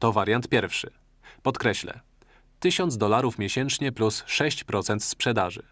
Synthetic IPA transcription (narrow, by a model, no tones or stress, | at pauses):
t̪ɔvaɾʲjant̪̚pʲjɛɾfʂɘ | pɔt̪kɾɛɕlɛ̰ | t̪ɘɕɔnd̪zd̪ɔlaɾufmʲjeɕɛnt͡ʂɲɛplusʂɛɕt͡ɕpɾɔt̪sɛnt̪spʂɛd̪aʐɘ̰